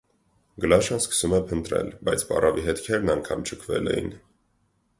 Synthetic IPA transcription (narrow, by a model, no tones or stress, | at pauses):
ɡəlɑʃɑnskə̥sumɛpʰənt̪ɾɛ̰lbɑjt͡sʰpɑ̰rʔɑviɦɛt̪kʰɛɾnɑŋkʰɑmt͡ʃʰəkʰvɛ̰lɛjḭn